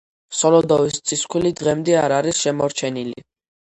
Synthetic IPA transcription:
sɔlɔd̪ɔvist̪sʼiskʰwilid̪ʁɛmd̪ɛaɾaɾisʃɛmɔɾt͡ʃʰɛnilḭ

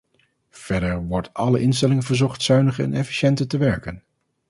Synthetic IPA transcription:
v̥ɛɹdəɹʋɔɹtɑləʔɪns̬tɛlɪŋənvəɹzɔχtsœɥnəχəɛ̰nɛfi̥ʃɛntətəʋɛɹkən

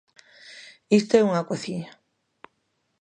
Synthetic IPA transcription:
ist̪oeuŋakoθiɲa

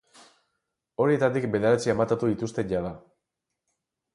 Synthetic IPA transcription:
o̞ɾie̞t̪at̪ikbe̞ð̞eɾat͡siemat̪at̪uðit̪ust̪e̞ɲɟað̞a

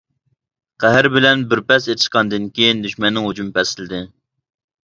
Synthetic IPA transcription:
qʰæɦɪɾbɪlɛnbɪɾpɛset̪ʰɪ̥ʃqɑnd̪ɪnkʲejnd̪yʃmɛnːɪŋɦod͡ʒumpɛsɪlɪd̪ɪ

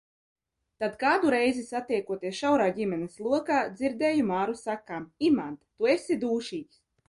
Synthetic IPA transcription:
t̪ad̪kaːd̪uɾɛjzisat̪iɛkuɔt̪iɛsʃawɾaːɟʲimɛnɛslˠuɔkaːd̪ziɾd̪ɛːjumaːɾusakamimant̪t̪uesid̪uːʃiːkʲs

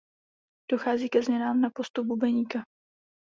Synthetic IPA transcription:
d̥o̞xaːziːkɛzmɲɛnaːmnapo̞st̪up̚bubɛɲiːka

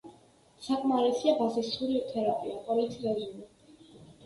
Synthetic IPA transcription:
sakʼmaɾɛsiabazisuɾit̪ʰɛɾapʼiapʼɔlit̪sʰʼiɛɾini

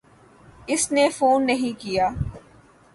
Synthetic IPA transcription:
ɪsnefuːnːɐɦĩkijaː

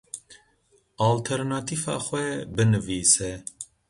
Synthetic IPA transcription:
aːlt̪ʰɛɾnaːt̪ʰifɑ̰ːxʷɛbɨnɨviːsɛ

